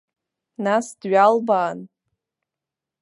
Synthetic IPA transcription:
nasdɥalbaːn

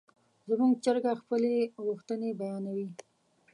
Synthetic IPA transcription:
zəmuŋɡt͡ʃəɾɡaxpəleɣuxt̪ənebajɑnawi

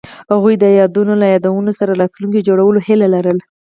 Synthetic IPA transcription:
haɣujd̪əjɑd̪unolajɑd̪awənosaɾaɾɑt̪luŋkid͡ʒoɽawəlohɪlalaɾəl

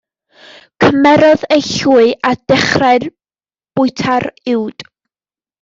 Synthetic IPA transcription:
kʰəmɛɾɔðejɬuːɨʔad̥ɛχraɨr | b̥ʊɨtʰarɪwd̥

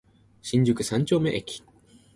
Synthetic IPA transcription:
ɕĩɲ̟d͡ʑɨkɯ̟sãɲ̟t͡ɕo̞ːmeʔekʲi̥

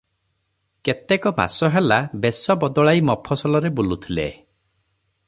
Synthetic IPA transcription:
ket̪ekɔma̰sɔɦelabesɔbɔd̪ɔɭaimɔpʰɔsɔlɔɾebulut̪ʰilḛ

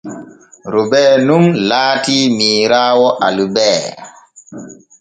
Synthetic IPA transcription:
ɾubɛːnumlaːtimiːɾaːwɔʔalubɛː

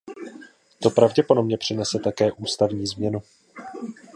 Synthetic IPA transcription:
t̪o̞pɾavɟɛpo̞domɲɛpr̝̥ɪnɛsɛt̪akɛːʔuːst̪avɲiːzmɲɛnu

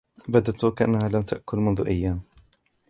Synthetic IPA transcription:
bad̪at̪ʊkaʔa̰nːahaːlamt̪aʔkʊlmʊnðʊʔajːaːm

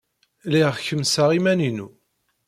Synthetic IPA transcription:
liʁçəmsaʁimæninu

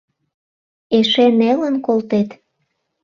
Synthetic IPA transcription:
eʃenelənkolt̪et̪

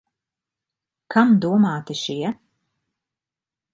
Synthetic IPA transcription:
kʰamd̪uɔmaːt̪iʃiɛ

